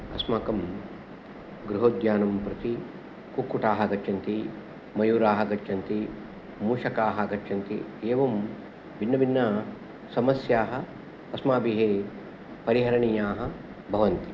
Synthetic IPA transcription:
ɐ̰smaːkɐm | ɡɾuɦoːd̪jaːnɐmpɾɐt̪i | kukːuʈaːɦɐɡɐt͡ʃːʃʰɐnt̪i | mɐjuːɾaːɦɐ̆ɡɐt͡ʃːʃɐnt̪i | muːʂɐkaːɦɐɡɐt͡ʃːʃʰɐnt̪ieːʋɐm | binːɐbinːɐ | sɐmɐsjaːɦɐ̆ | ɐsmaːbiɦeː | pɐɾiɦɐɾɐɳijaːɦɐ̆ | bʱɐʋɐnt̪i̥

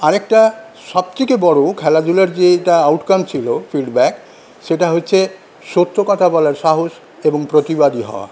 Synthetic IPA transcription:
aɾek̚ʈa | ʃɔb̚t͡ɕikebɔɽokʰɛlad͡ʑulaɾd͡ʑeʈaawʈkamt͡ɕʰilofilɖbɛk | ʃeʈaɦotːɕʰe | ʃot̪ːɾokɔt̪ʰabɔlaɾʃaɦoʃ | eboŋpɾot̪ibad̪iɦɔ̰oa̰

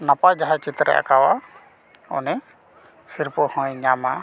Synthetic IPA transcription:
napad͡ʒaɦãt͡ʃit̪ɾɛ̰ʔa̰kawa | ɔ̰nɛ | siɾpɔhɔ̃jɲama

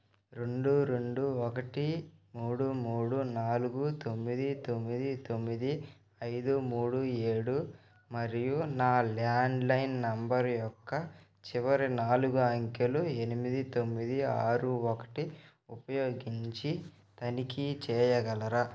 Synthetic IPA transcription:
ɾe̞ɳɖuɾe̞ɳɖuɔkɐʈimuːɽumuːɽunaːluɡut̪o̞mːid̪it̪o̞mːid̪it̪o̞mːid̪i | ɐjd̪umuːɽueːɽu | mɐɾijunaːlaːɳɖlɐjnnɐmbɐɾjɔkːɐ | t͡ʃiʋɐɾinaːluɡuɐŋkelue̞nimid̪it̪omːid̪ia̰ːɾuɔkɐ̥ʈi | upɐjoːɡiɲt͡ʃi | t̪ɐnikit͡ʃɛːjɐɡɐlɐɾɐ

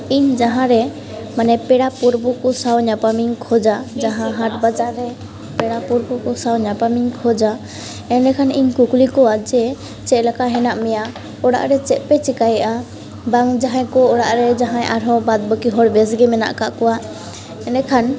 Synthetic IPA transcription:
iɲd͡ʒaɦãɾɛ | manɛpɛɽapuɾbukɔsawɲapamiŋkʰɔd͡ʒad͡ʒaɦãɦaʈbad͡ʒaɾɾɛ | pɛɽapuɾbukɔsawɲapamiŋkʰɔd͡ʒa | ɛnɛkʰaniɲkuklikɔwad͡ʒɛ | t͡ʃɛʔ̪̚lakaɦɛnaʔmɛja | ɔɽa̰ʔɾɛt͡ʃɛʔ̪̚pɛt͡ʃikajɛʔa | baŋd͡ʒaɦãjkɔɔɽaʔɾɛd͡ʒaɦãʔaɾɦɔ̃bad̪̚bɔkiɦɔɽbɛsɡɛmɛna̰ʔkaʔkɔwa | ɛnɛkʰan

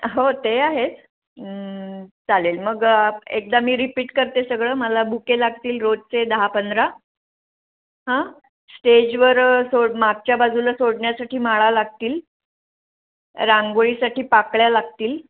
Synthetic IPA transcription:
ɦot̪eaɦet͡s | d͡zalelməɡek̚d̪amiːɾipiːʈkəɾt̪esəɡɭəːməlabʱukelaɡt̪iːlɾod͡zt͡sed̪əɦapənd̪ɾa | ɦã | sʈed͡ʑʋəɾsomaɡ̚t͡ɕjabad͡zʱulasoɽɳjasaʈʰiːmaɭalaɡ̚t̪iːl | ɾãŋɡoɭiːsaʈiːpakɭjalaɡt̪iːl

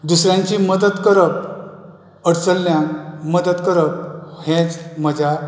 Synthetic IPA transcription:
d̪usɾjãɲt͡ɕiməd̪ət̪kəɾəp̚ | əɽt͡səlːjãməd̪ət̪kəɾəp̚hẽt͡sməd͡ʑʱa

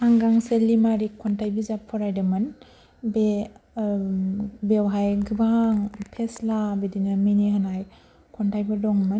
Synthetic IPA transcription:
haŋɡaŋselimaɾikʰɔntʰajbizapʰːɔɾajdamɯn | be | bewɦajɡɯbaŋpʰeslabidinaminiɦanaj | kʰɔntʰajbɯdɔŋmɯn

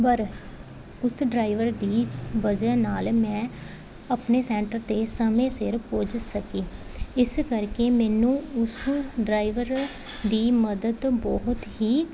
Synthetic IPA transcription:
pəɾ | ʊsɖɾaːiʋəɾd̪iːbəd͡ʒɛːnaːlmɛ̃ː | əpneːsɛːɳʈəɾt̪eːsəmẽːsɪɾpoːd͡ʒsəkiːɪskəɾkeːmɛːnũːʊsɖɾaːiʋəɾ | d̪iːməd̪əd̪bɔːɦʊt̪ɦiː

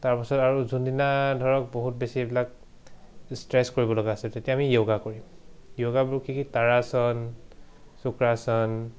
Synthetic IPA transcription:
taɹpasɔtaɹuzundinadʱɔɹɔk̚boɦut̚besibilak̚ | stɹɛskoɹibɔlɔɡaːsɛltetiaamijoɡakoɹimjoɡabuɹukʰikitaɹasɔn | sukɹasɔn

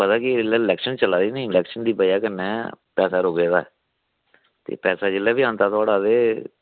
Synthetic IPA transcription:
pət̪aːkɪɪlɛːlɛːkʃənt͡ʃəlaːd̪iːnəĩlɛːkʃənd̪iːpəiaːkənːɛːpɛːsaːɾoːɡeːd̪aːɛ | t̪ḛːpɛːsaːd͡ʒɪlɛːbiːãːnt̪aːt̪ʊaːɽaːd̪eː

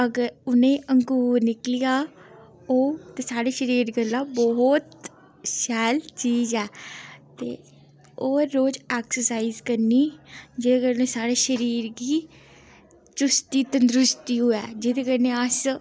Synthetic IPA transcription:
əɡəɾʊnẽːʔəŋɡuːɾnɪklɪjaː | oːt̪eːsaːɽeːʃəɾiːɾɡəlːaːbɔɦt̪ | ʃɛːlt͡ʃiːzɛːt̪ḛː | oːɾoːd͡ʒɛːksəsaːiːzkəɾniːd͡ʒɪd̪eːkəɾneːsaːɽeːʃəɾiːɾɡiː | t͡ʃʊst̪iːt̪ənd̪ɾʊst̪iːɦoːɛːd͡ʒɪd̪eːkəɾnẽːəs

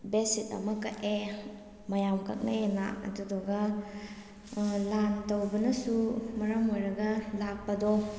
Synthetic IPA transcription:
besitɐ̰mɐkɐʔe | mɐjamkɐ̰k̚najena̰ɐ̰dudɔɡɐ | lantowbɐnɐsumɐɾamojɾɐɡɐlak̚pɐdɔ

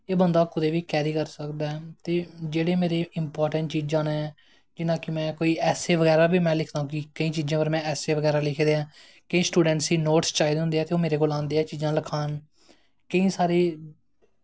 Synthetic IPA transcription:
eːbənd̪aːkʊd̪eːʋiːkɛːɾiːkəɾsəkd̪aːɛːt̪eːd͡ʒeːɽeːmeːɾeːʔɪmpɔːɾʈəɳʈt͡ʃiːd͡ʒãːnɛː | d͡ʒɪnãːkɪmɛ̃ːkoːiːɛːseːʋəɣɛːɾaːbʱiːmɛ̃ːlɪkʰd̪aːɦũːkɪkəĩːt͡ʃiːd͡ʒãːpəɾmɛ̃ːɛːseːʋəɡɛːɾaːlɪkʰd̪eːãː | kəĩːsʈuːɖɛ̃ɳʈsiːnoːʈst͡ʃaːiːd̪ɦʊ̃nd̪eɦɛːt̪eoːmeːɾeːkoːlãːnd̪eːɛːt͡ʃiːd͡ʒãːləkʰaːn | kəĩːsaːɾeː

